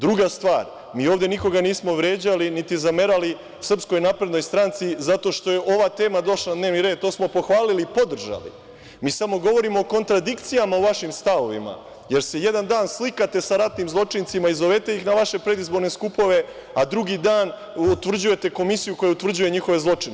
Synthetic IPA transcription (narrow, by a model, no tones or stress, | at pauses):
d̪ɾuɡast̪ʋaːɾ | miːo̞ːvd̪eniko̞ɡaniːsmo̞ʋɾe̞ːd͡ʑalinit̪izame̞ɾali | usr̩psko̞jnaːpɾe̞d̪no̞jst̪ɾant̪sizat̪o̞ːʃt̪o̞je̞ʔo̞ʋat̪e̞ːmad̪o̞ʃland̪ne̞ːʋniɾe̞ːd̪̚t̪o̞ːsmo̞po̞xʋaːlilipo̞d̪r̩ʒa̰lḭ | miːsamo̞ɡo̞ʋo̞ɾimo̞ːko̞nt̪ɾad̪ikt̪sijamauʋaʃimst̪aʋo̞ʋḭma̰ | je̞ɾse̞je̞d̪and̪aːnslikat̪e̞saɾat̪nimzlˠo̞t͡ʂint̪simaizoʋet̪e̞jixnaʋaʃe̞pɾe̞d̪izbo̞ɾne̞skupo̞ʋe̞ | ad̪ɾuɡid̪aːn | ut̪ʋr̩d͡ʑuje̞t̪e̞ko̞misijukojeut̪vr̩d͡ʑuje̞ɲixo̞ʋe̞zlˠo̞t͡ʂin